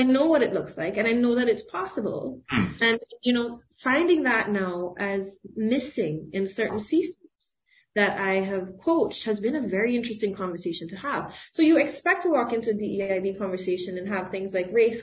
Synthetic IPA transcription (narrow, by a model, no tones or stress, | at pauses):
aɪnoʊwʌɾɨtˡlʊkslaɪkɨ̃ñaɪnoʊðɨɾɨtspʰɑsəb̰l̩ˠɨ̃njɨnoʊ | fãɪ̃ndɪ̃ŋðətⁿnaʊʔɨzmɪsɪ̃ŋɨ̃nsɜ˞ʔn̩sizn̩z̥ | ðɨɾaɪɨv̥kʰoʊt͡ʃt̚hɨzbɨ̃nɨvɛɹiɪ̃nt͡ʃɹ̥ɨstɪ̃ŋkʰɑ̃ɱvə˞seɪʃɨ̃n̩tʰɨəv̥soʊjɨɨkspɛk̚tʰəwɔkɪ̃ntʉðiaɪbikʰɑ̃ɱvə˞seɪʃɨ̃nɨ̃nɨv̥θɪ̃ŋzlaɪkɹeɪs